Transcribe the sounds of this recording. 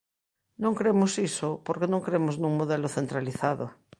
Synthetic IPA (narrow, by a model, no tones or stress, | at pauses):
nõŋkɾemosisopoɾkenõŋkɾemoznũŋmoðeloθent̪ɾaliθaðo̰